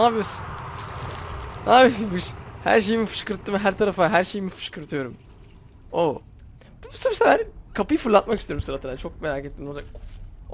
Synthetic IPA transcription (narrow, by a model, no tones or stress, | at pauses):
naːbijosu̥n | naːbijosunfɯʃhæ̰ɾʃ̬e̞jimifɯ̥ʃkɯɾt̪ʰːɯmɦæɾt̪ʰaɾafaɦæɾʃe̞jimifɯ̥ʃkɯɾt̪ʰɯjo̞ɾum | o | biusmsalaɾkʰapɯjɯfɯɾlˠat̪makist̪eoɾumsuɾat̪ʰad̪at͡ʃʰo̞k̚me̞ɾaːket̪ʰːimoak